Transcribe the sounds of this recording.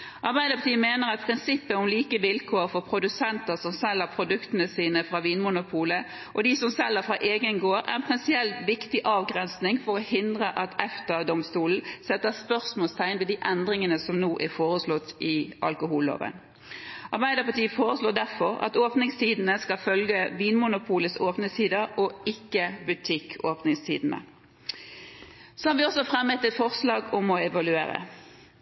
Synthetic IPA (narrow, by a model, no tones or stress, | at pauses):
ʔɑʁbæɪd̪əpʰɑt̪iːəmeːnəʁɑt̪̚pʰʁɪnsɪpːəɔmliːkəʋɪlkʰoːəfɔʁpʰɾʊd̪ʉsɛnt̪əʁsɔmsɛlhəʁpʰɾʊd̪ʉkt̪ənəsiːnəfʁɑːʋiːnmʊnʊpʰuːlə | ʔɔd̪ɪsɔmsɛlːəfʁɑʔeːɡənɡoːɾæ̰ʁɛnpʰʁɪnsɪɛlt̪ʋɪkt̪ɪʔɑːʋɡʁɛnsnɪŋfɔɾɔhɪnd̪ʁəʔɑt̪ɛft̪əd̪ɔmst̪uːln̩sɛt̪ːəspœʁsmoɔːlst̪ʰæɪnʋɛd̪iːʔɛnd̪ɾɪŋənəsɔmnuːʔæʁfoːɾəslɔt̪ːɪʔɑ̰lkʊɦuːlːo̰ːʋə̰n | ɑʁbæɪd̪əpɑt̪iːəfoːʁəsloːd̪æʁfɔɾɑ̰t̪oːpnɪŋst̪ʰiːd̪n̩əskɑlfœlɡəʋiːnmʊnʊpʰuːləsoːpnəsiːd̪əɔɪkːəbʉt̪ʰɪkːʰoːpnɪŋst̪ʰḭːd̪n̩ə̰ | sɔhɑːɾʋɪɔsːɔfʁɛmɛt̪ɛt̪fɔʁslɑːɡɔmɔɛʋɑlʉḛːɾə̰